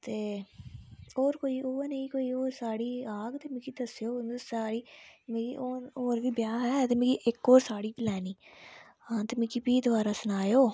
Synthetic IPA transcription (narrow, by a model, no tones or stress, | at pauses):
t̪eː | oːɾkoːiːoːənəĩːkoːiːoːɾsaːɽiːaːɡt̪eːmɪ̃kid̪əsjoːsaːɽiːmekioːoːɾʋiːbjaːɦɛːt̪eːmɪkiʔɪkːoːɾsaːɽiːplɛːnĩː | ãːt̪emɪ̃kipiːd̪ʊʋaːɾaːsənaːjoː